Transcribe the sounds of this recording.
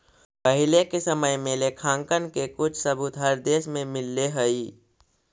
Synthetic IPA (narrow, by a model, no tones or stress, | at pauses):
pəɦɪlekesəməjmẽlekʰãːŋkənkekʊt͡ʃʰsəbut̪ɦəɾd̪eːʃmẽmɪlːeɦəi